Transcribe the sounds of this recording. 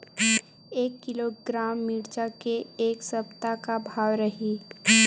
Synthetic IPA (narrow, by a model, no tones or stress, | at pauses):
eːkːɪloɡɾaːmːɪɽt͡ʃakeːksɐbt̪akabʱaːwɾɐɦi